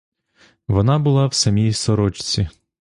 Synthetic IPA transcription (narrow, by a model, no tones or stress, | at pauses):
ʋɔnɑbʊlˠɑwsɐmʲijsɔɾɔt͡ʃt͡sʲi